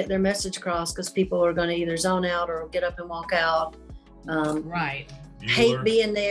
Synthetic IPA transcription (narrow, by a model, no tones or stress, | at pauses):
ɛt̪̚ðə˞mɛsɨd̥ʒ̥kʰɹ̥ɔskʌz̥pipl̩ˠə˞ɡʌñɨiðə˞zõʊ̃naʊɾə˞ɡɛɾʌpə̃nwɔkaʊt̚ | ʌ̃maɪt̚heɪt̚b̥iɪ̃ŋðə